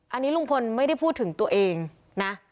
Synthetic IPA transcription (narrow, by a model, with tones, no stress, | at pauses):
ʔa˧nːiː˦˥ɾu˥˩ŋkʰo˧nma˥˩jɾa˥˩jpʰu˥˩t̪ʰːɯ˩˦ŋt̪u˧ɐʔeː˧ŋ | na˦˥